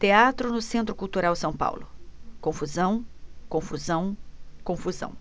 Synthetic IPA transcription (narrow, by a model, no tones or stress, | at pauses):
t̪eat̪ɾʊnʊsẽnt̪ɾʊkult̪uɾawsɐ̃w̃pa̰wlʊkõfuzɐ̃w̃kõfuzɐ̃w̃kõfuzɐ̰̃w̃